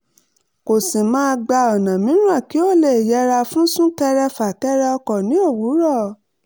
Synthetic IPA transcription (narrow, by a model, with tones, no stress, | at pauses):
ko˨sĩ˨mãː˦˧ɡ͡ba˧ɔ˨nã˨mĩ˨˦nũ˦a˦˨ki˨˦o˦˨le˨jɛ˨˧ɾa˧fũ˦sũ˦tɛ˧ɾɛ˧fa˨tɛ˦ɾɛ˧˦ɔ˧kɔ˨nĩ˨˦o˦˨wu˨˦ɾɔ˦˨